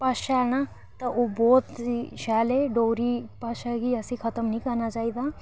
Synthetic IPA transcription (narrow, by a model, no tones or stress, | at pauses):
pɐʃaːna | t̪ɐʔobɔːt̪ʃaːleɖoːɾipɐʃakiɐsĩkʰɐt̪əmnəĩkɐɾnat͡ʃaːid̪aː